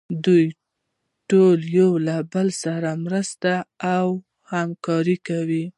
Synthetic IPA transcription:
d̪uj | ʈoljawlabəlsaɾamɾəst̪aːw | hamkɑɾikawi

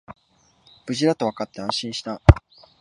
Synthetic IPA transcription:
b̥ɯ̟ʑiɾat̪o̞βakat̪ːe̞ãɰ̃ɕĩɰ̃ɕi̥t̪a

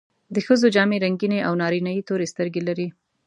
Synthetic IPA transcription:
d̪əxəzod͡ʒɑmeɾaŋɡineʔawnɑɾinɑjit̪oɾest̪əɾɡelaɾi

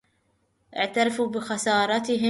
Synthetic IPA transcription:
ʔɪʕt̪ɑɾˤɑfubɪxɑsɑːɾˤɑt̪ɪɦɪ

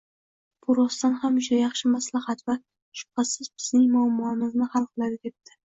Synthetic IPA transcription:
b̥ʊɾɒst̪anhamʊʃajɑχʃɪmaslahat̪va | ʃʊ̥pqasɪzbɪz̥nɪŋmamɒmɪznɪhɑlˠqʰɨlˠad̪ɪd̪ep̚t̪ʰɪ̥

